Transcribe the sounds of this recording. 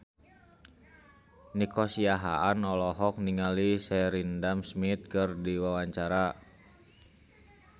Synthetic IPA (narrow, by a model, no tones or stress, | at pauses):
nikɔsiaɦa̰anɔlɔɦɔk̚niŋalisɛɾindamsmit̪̚kɨrdiwawaɲt͡ʃaɾa